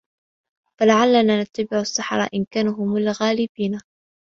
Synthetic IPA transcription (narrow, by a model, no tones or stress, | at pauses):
falaʕalːanaːnat̪ːabɪʕasːaħɾˤɑ̰ːʔɪnkaːnʊɦʊmalɣaːlɪbiːna